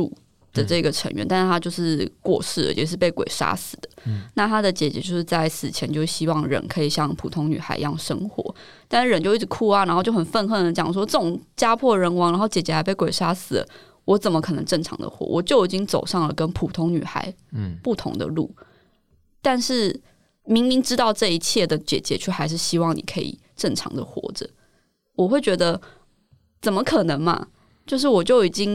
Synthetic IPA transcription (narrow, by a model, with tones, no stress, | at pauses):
ṵ˥˩ | d̪̥ə˩ʈ͡ʂɤ˥˩i˧ɡə˩ʈ͡ʂʰə˧˥ŋɥɛ̰˧˦nt̪a˥˧nʂ̩˥˧t̪ʰa˥t͡ɕjo˥˧ʊʂɻ̩˥˧kwɔ̰˥˧ʂɻ̩˥˩d̪ə̰˨˩jɛ˨˩ʂ̬ɻ̩˥˧˩pe˥˩ɪkwḛ˨˩ɪʂa̰˥sɹ̩˨˩d̪̥ə̥˩˦na˥˩t̪ʰa˥d̪ə˨t͡ɕjɛ˨˩t͡ɕjɛ̰˧˦t͡ɕjo˥˧ʊʂɻ̩˥˧t͡sa˥˩ɪsɹ̩˨˩t͡ɕʰjɛ˧˦nt͡ɕjo˥˧ʊɕi˥wɑ˥˩ŋɻə̰˧˥nkʰɤ˧˥i˨˩ɕjɑ˥˨˩ŋpʰu˨˩t̪ʰʊ˧˥ŋny̰˨˩xa̰˧˥ɪ̰jɑ̰˥˩ŋʂə̰˥ŋxwɔ̰˧˥˦ | t̪a˥˧nʂɻ̩˥˩ɻə˧˦nt͡ɕo˥˧ʊi˥˩ʈ͡ʂ̩˨˩kʰu˥˩a˨ɻa˧nxo˥˧t͡ɕjo˥˩ʊxə˨˩nfə˥˧nxə˥˩d̪ə˩t͡ɕjɑ˨˩ŋʂ̬wɔ˥ʈ͡ʂɤ˥˩ʈ͡ʂʊ˨˩ŋt͡ɕja˥pʰwɔ˥˩ɻə˧˥nwɑ˧˥ŋɻa˧˥nxo˥˩ʊt͡ɕjɛ˨˩t͡ɕjɛ˧˥xa˧˥ɪpe˥˩ɪkwe˨˩ɪʂa˥sɹ̩˨˩d̪ə̰˩ | wɔ˧˥t͡sə˨˩nmə˦kʰɤ˨˩nə̰˧˦ŋʈ͡ʂɤ˥˩ŋʈ͡ʂʰɑ̰˧˥ŋd̪ə̰˨xwɔ̰˧˩wɔ̰˨˩t͡ɕjo˥˩ʊi˨˩t͡ɕi˦˥ŋt͡so˨˩ʊʂɑ˥˩ŋlə̰˩kə˦˥npʰu˨˩t̪ʰʊ˧˥ŋny̰˨˩xa̰˧˥ɪ | pu˥˩t̪ʰʊ̰˧˥ŋd̪ə̰˧lṵ˥˩ | t̪a˥˧nʂɻ̩˥˩ | mi˧˥ŋmi˧˥ŋʈ͡ʂɻ̩˥t̪ɑ˥˧ʊʈ͡ʂɤ˥˩i˧t͡ɕʰjɛ˥˩d̪ə˩t͡ɕjɛ̰˨˩t͡ɕjɛ̰˧˥t͡ɕʰy˥˩xa˧˥ɪʂ̬ɻ̩˥˩ɕi˥wɑ˥˩ŋnḭ˨˩kʰɤ˧˥ḭ˨˩ | ʈ͡ʂə˥˩ŋʈ͡ʂʰɑ̰˧˥ŋd̪ə̰˨xwɔ̰˧˥ʈ͡ʂə̰˨˩ | wɔ˨˩xwe˥˩ɪt͡ɕɥɛ˧˥d̪ə˧ | t͡sə˨˩nmə˦kʰɤ˨˩nə˧˥ŋmɐ̰˧ | t͡ɕjo˥˧ʊʂ̬ɻ̩˥˩wɔ˨˩t͡ɕjo˥˩ʊi˨˩t͡ɕi˦˥ŋ